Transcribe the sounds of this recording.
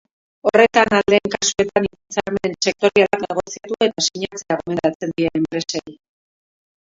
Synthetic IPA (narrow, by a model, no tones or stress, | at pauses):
o̞re̞t̪anald̪e̞ːŋkasue̞t̪aniβat͡saɾme̞nse̞k̚t̪o̞ɾialakne̞ɣ̞o̞siat̪ue̞t̪asiɲat͡seaɣome̞nt̪at͡se̞nd̪ienempɾe̞sei